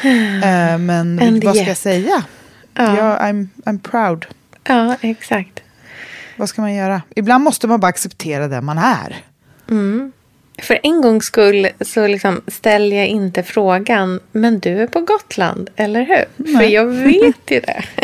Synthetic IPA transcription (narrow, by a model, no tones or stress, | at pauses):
mɛnɛvakajasɛjːa | ɑːjɑːa̰jmajmpʰɾaʊd̪ | ʔɑːɛksakt̪ | vaskamanjœːɾaɪbland̪mɔst̪əmanbɑɾaksɛpt̪ʰeːɾad̪ɛ̰manæ̰ɾ̩ | fœɾʔɛnɡɔŋːskɵlːsɔlɪksɔmst̪ɛlːjajɪnt̪əfɾoːɡanmɛnd̪ɵæɾpʰɔɡɔt̪ʰla̰nd̪ɛlːəɾɦʉ̟ːɾfœjɑːɡveːt̪ʰjʏd̪ɛ̰